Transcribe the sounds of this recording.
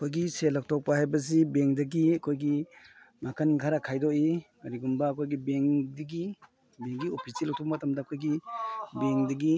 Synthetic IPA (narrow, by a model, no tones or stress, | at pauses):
ɐkʰojɡiselɐk̚tʰɔk̚pahajbɐzibeŋdɐɡiɐkʰojɡi | makanɡʰʱaɾakʰajdɔʔi | ɐɾiɡumbɐːkʰojɡibeŋdɐɡi | beŋɡiopʰisilɐk̚tʰɔp̚ɐmɐtɐmdaːkʰojɡibeŋdɐɡi